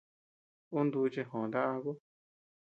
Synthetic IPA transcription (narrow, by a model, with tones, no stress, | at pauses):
u˦nd̪u˧t͡ʃe˧ɦõ˨nd̪a˦ʔa˧ku˦